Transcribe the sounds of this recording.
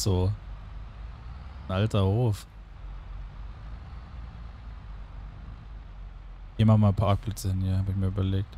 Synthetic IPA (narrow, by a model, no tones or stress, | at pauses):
z̥oː | nʔaltɐhoːf | hiːmaχmaːpʰaɐk̚b̥lɛt͡səhɪnhiːɐhaːbɪçmiːɐʔybɐleːk̚t